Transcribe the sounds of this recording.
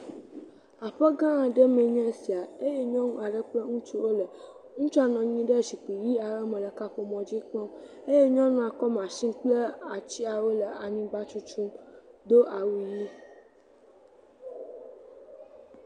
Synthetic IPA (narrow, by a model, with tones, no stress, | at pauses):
a˨ɸe˦ɡã˦ã˨ɖe˦mẽ˨ɲɛ̃˦si˨a˨e˦je˦ɲɔ̃˦nũ˦a˨ɖə˦k͡plə˦ŋũ˦t͡ʃu˦wo˦lə˨ | ŋũ˦t͡ʃɔ˦a˨nɔ̃˨ɲĩ˦ɖe˦zi˨k͡pi˨ji˦a˨ɾə˦mẽ˨lə˨ka˦ɸo˨mɔ̃˨d͡ʑi˦k͡pɔ̃˦m | e˦je˦ɲɔ̃˦nũ˦a˨kɔ˦m˨ã˨ʃĩ˦k͡plə˦a˨t͡ɕi˦a˨wo˦lə˨a˨ɲĩ˦ɡ͡ba˦t͡ʃu˦t͡ʃu˦md̪o˦ʔa˨wi˨ji˦